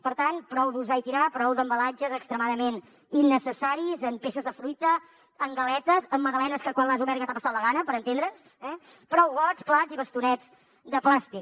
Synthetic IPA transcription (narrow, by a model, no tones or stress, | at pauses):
pəɾt̪anpɾɔwðuzait̪iɾapɾɔwðəmbəlad͡ʒəzəkst̪ɾəmaðəmen | inːəsəsaɾizəmpesəzðəfɾujt̪əː | ŋɡəlɛt̪əzəmːəðəlɛnəskəkwanlˠazuβɛɾɣət̪apəsat̪lˠəɣanəpəɾənt̪end̪ɾəns | ɛ | pɾɔwɣɔt͡splaziβəst̪unɛd͡z | d̪əplast̪ik